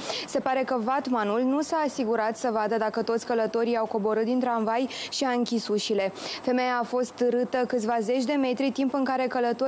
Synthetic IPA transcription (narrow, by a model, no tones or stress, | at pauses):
se̞paɾe̞kəvat̪manulnusaːsiɡuɾat̪səvad̪əd̪akət̪ot̪sʲkələt̪o̞ɾijawko̞bo̞ɾɨt̪̚d̪int̪ɾanvajʃiaɨŋkʲisuʃile̞fe̞mejaːfo̞st̪ɨɾɨt̪əkɨt̪sʲvaze̞t͡ʃʲd̪e̞me̞t̪ɾit̪impɨŋkaɾe̞kələt̪o